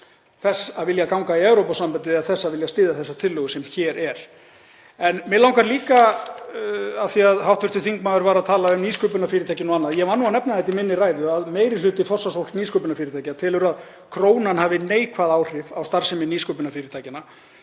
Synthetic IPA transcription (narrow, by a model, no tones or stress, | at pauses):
θɛsaðvɪljakawŋkaiɛvɾowpasampant̪ɪaðθɛsːaðvɪljast̪ɪːðaθɛsːat̪ʰɪlːœːɣʏsɛmçɛːɾɛɾ̥ | ɛnmɛlaw̃ŋkʰvaɾliːka | aθiaðɦawht̪vʏst̪ʏ̥θiŋkmaːðʏɾvaːɾaðt̪ʰaːlaʏmniːskœːpʏnafɪːɾɪt̪ʰaːjcɪnɔanːaðjɛvanːuanɛpnaðɛjt̪imɪnːɪraːjðʏaðmeːjɾɪlʏt̪ɪfɔrsasowl̥t̪niːskœːpʏnafɪːɾɪt̪ʰajcɪnat̪ʰɪːlʏɾað | kʰɾoːwnanhaːvɪneːjkʰvaðaːwr̥ɪvawst̪aɾ̥sɛmɪniːskœːpʏnafɪːɾɪt̪ʰaːjcɪna